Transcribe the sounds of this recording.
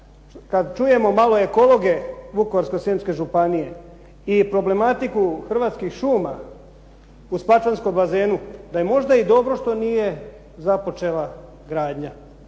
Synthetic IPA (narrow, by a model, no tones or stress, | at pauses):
kad̪t͡ʃuje̞mo̞malo̞e̞ko̞lˠo̞ɡe̞ʋukoʋaɾsko̞seːmske̞ʒupanije̞ | ipɾo̞ble̞mat̪ikuxr̩ʋaːt̪skixʃuːma | uspat͡ʃansko̞mbaze̞ːnud̪ajemo̞ʒd̪aid̪o̞bɾo̞ʃt̪o̞nije̞ | zapo̞t͡ʃe̞la | ɡɾaːd̪ɲa